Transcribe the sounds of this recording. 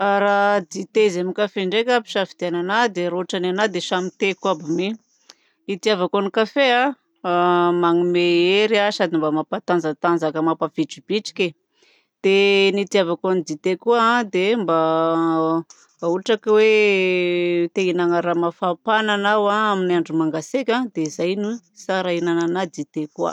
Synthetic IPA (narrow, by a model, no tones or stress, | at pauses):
aɾad̪it̪ezemikafeɳɖ͡ʐekʲapi̥ʃafid̪iananad̪eɾoaʈ͡ʂananad̪eʃamit̪ekuabime | it̪iavakonikafea | maŋimeeɾiasad̪imbamapat̪and͡zat̪and͡zakəmapavit͡ʃib̥it͡ʃi̥kʲe | d̪̥enit̪iavakonid̪it̪ekuãd̪emba | uaʈ͡ʂakwe | t̪einaŋəɾamafapananawaaminiaɳɖ͡ʐumaŋɡasekʲad̪eizajnu | saɾainananad̪it̪ekua̰